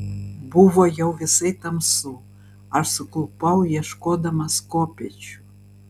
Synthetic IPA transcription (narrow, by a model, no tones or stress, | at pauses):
buvojɤwvʲeset̪əmsu | ɑʃsɤ̆klˠupɑwjeʃkod̪əmɑskopʲet͡ɕ